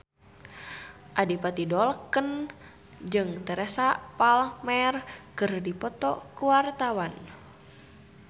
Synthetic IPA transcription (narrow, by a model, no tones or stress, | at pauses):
ʔadipat̪idɔlkən | d͡ʒɨŋt̪ɛɾɛsapalmɛrkɨrdipɔt̪ɔkuwart̪awan